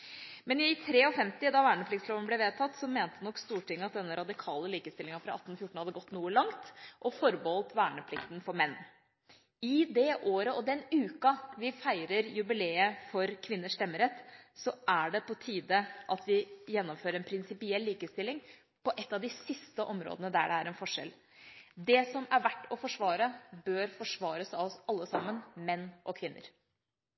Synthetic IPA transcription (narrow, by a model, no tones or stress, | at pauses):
mɛnɪt̪ʰɾeːɔfɛmt̪ɪd̪ɑʋæːɳəpʰlɪkt̪slɔʋənəblɛʋeːt̪ʰɑt̪ːsɔmeːnt̪ənɔkːst̪uːʈʰɪŋːəɑt̪̚d̪ɛnːəɾʔɑd̪ɪkʰɑːləliːkəst̪ɪlɪŋɑfɾɑɑt̪ːnfjʊʈːɳ̩hɑd̪əɡɔt̪ːnuːəlɑŋt̪ʔɔfɔɾbəɔlt̪ʋæːɳəpʰlɪkt̪nfɔɾmɛnː | ɪd̪ɛʔoːɾəɔd̪ɛnʉːkɑʋɪfæɪɾəɾjʉbɪleːəfɔɾkʰʋɪnːəʂt̪ɛmːəɾɛt̪sɔʔæɖɛpɔt̪ʰiːd̪əʔɑt̪ʋɪjɛnːɔmføːɾəɾɛnpʰɾɪnsɪpɪɛlːiːkəəst̪ɪlːɪŋ | pɔʔɛt̪ːɑʋd̪ɪsɪst̪əʔɔmɾo̰ːd̪ənəd̪æɖɛæɾɛnfɔʂɛ̰l | d̪ɛsɔmæɾʋæʈːɔfɔʂʋɑːɾəbøːɾfɔʂʋɑːɾəsɑɔsɑlːəsɑmːənmɛnːʔɔkʰʋɪnːə̰ɾ